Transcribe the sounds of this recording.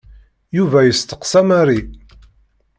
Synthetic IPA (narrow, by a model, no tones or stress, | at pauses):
juvæjəst̪ə̥qsæmaɾi